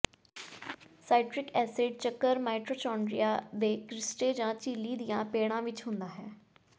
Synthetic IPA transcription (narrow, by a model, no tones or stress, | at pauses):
saːɪʈɾɪkɛːseːɖ̚t͡ʃəkːəɾmaːʈɾoːt͡ʃɔːɳɖɾijaːd̪eːkɾɪsʈeːd͡ʒãːt͡ʃiːliːd̪ijãːpeːɽ̃ãːʋɪt͡ʃɦʊ̃nd̪aːɦɛː